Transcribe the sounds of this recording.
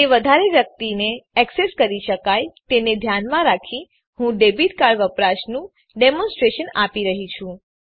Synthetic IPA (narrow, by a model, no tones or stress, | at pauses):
eʋəd̪ʱaɾeʋjək̚t̪ineɛkseskəɾiʃəkajt̪ened̪ʱjanmãɾakʰi | ɦũɖebiʈkaɾʋəpɾaʃnũ | ɖemɔ̃nsʈɾeʃənapiɾəɦit͡ʃʰũ